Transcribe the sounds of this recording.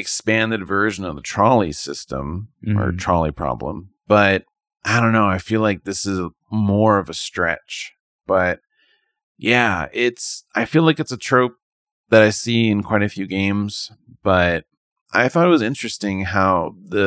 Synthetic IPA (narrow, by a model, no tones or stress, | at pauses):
ɨkspæ̃ndɨdvɜ˞ʒɨ̃nʌvðətʰɹ̥ɑlˠḭsɪstə̰̃mə̰˞tʰɹ̥ɑlˠipʰɹ̥ɑ̰blə̰̃m | b̥ʌɾ | aɪdõʊ̃nːoʊaɪfilaɪk̚ðɪsɨz | mɔɹʌvɨstɹ̥ɛ̰t͡ʃ | b̥ʌt̚ | jæɪtsʔaɪfilaɪkɨtsɨtʰɹ̥oʊp̚ | ðɨɾaɪsiɨ̃nkʰw̥aɪɾɨfjʉɡẽɪ̃mz̥ | b̥ʌt̚ | ʔaɪθɔɾɨt̚wʌzɪ̃nt͡ʃɹ̥ɨstɪ̃ŋhaʊðɨ